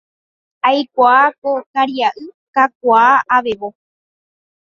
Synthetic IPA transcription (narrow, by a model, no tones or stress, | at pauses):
ajkʷaːkokaɾiaʔɨkak̚ʷaːʔaʋe̞ʋo